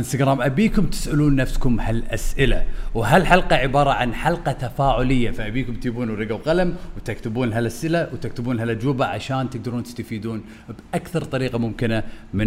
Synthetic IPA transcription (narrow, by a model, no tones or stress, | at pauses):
ʔɪnst̪aɡɾaːmʔabiːkʊmt̪ɪ̥sʔɪluːnːafskʊmhalʔasʔɪla̰wɦalħalqɑʕɪbɑːɾˤɑʕanħalqɑt̪afaːʕʊlɪjːafiʔabiːkʊmt̪iːbuːnɾɪɡawqalamwt̪akt̪ɪbuːnɦalʔasʔɪlawt̪ak̚t̪ɪbuːnɦalʔad͡ʒwɪbaʕa̰ʃaːnt̪ɪɡ̚d̪ɑɾuːnt̪ɪ̥st̪afiːd̪uːn | bʔakθɑɾˤt̪ˤɑɾiːqɑmʊmkɪnamɪ